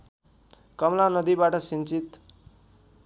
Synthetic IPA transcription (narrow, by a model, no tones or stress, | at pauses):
kʌmlanʌd̪ibaʈʌsint͡sit̪